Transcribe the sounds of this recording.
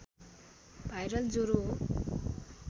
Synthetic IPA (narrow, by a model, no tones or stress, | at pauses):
bʱajɾʌld͡zoɾo